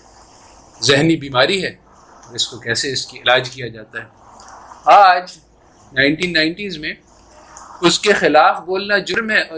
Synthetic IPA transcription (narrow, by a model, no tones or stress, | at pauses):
zɪɦnibiːmaːɾiɦɛː | ɔːɾɪskokɛːseɪskiɪlaːd͡ʒkijad͡ʒaːt̪aɦɛː | aːd͡ʒ | naːɪ̃nʈiːnːãːɪ̃ɳʈiːzmẽ | ʊskexɪlaːfboːlnad͡ʒʊɾmɦɛʔɔː